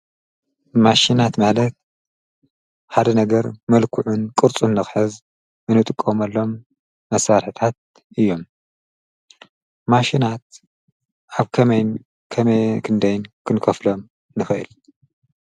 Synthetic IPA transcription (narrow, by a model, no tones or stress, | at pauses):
maʃinat̪malɐt̪̚ | ħad̪ɐnɐɡɐɾmɐlkʰuʕunkʼɨɾt͡sʼunːɨxħɨz | mɨnɨt̪ʼɨkʼːomɐlːo̞mː | ɐsːaɾħɨt̪ʰat̪̚ | ʔɨjːo̞m | aʃinat̪̚ | ʔaβkʰɐmɐjn | kʰɐmɐjkʰɨnd̪ɐjnkʰɨnkʰɐflo̞m | nɨxɐʔɨ̰l